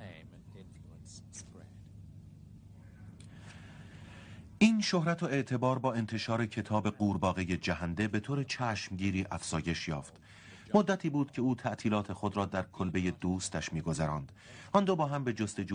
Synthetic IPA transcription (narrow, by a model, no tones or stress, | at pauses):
ʔiːnʃohɾæt̪ʰoe̞ʔt̪ʰe̞bɒːɾbɒːe̞nt̪ʰe̞ʃɒːɾe̞cʰe̞t̪ʰɒːbe̞ɢuːɾbɒːɣe̞je̞d͡ʒæɦænd̪e̞be̞t̪ʰoːɾet͡ʃʰæːʃmɟiːɾiːʔæfz̥ɒːje̞ʃjɒ̰ːft̪ | mod̪ːæt̪ʰiːbuːd̪̥cʰe̞uːt̪ʰæʔt̪ʰiːlɒːt̪ʰe̞xod̪ɾɒːd̪æɾkʰolbe̞je̞d̪uːst̪æʃmiːɡo̞zæɾɒːnd̪̥ | ʔɒnd̪obɒːɦæmbe̞d͡ʒost̪e̞d͡ʒu